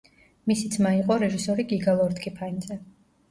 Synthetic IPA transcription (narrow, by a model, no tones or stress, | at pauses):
misid̪sʰmaiqʼɔɾɛʒisɔɾiɡiɡalˠɔɾd̪ɡʰʼipʰaind̪zɛ